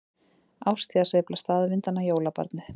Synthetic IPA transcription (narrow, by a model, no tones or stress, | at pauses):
awst̪iðasɛplast̪aːðvɪnt̪anːajoːwlapa̰ɾt̪nɪθ